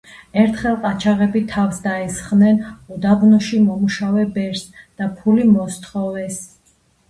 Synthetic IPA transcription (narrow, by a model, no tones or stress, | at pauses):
ɛɾt̪ʰχɛlˠqʼat͡ʃʰaʁɛbit̪ʰafsd̪aɛsχnɛnɔd̪abnɔʃimɔmuʃavɛbɛɾsd̪̥apʰulimɔst̪ʰχɔvɛs